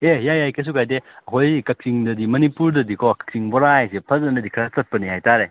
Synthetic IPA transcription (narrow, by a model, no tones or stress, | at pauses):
ejajajkes̬ukʰajdeɐɦojkɐk̚siŋdɐdimɐnipuɾdɐdikʰɔkɐ̥k̚siŋbɔɾajsepʰɐzɐndɐdikʰɐɾasɐt̚pɐnihajtaɾe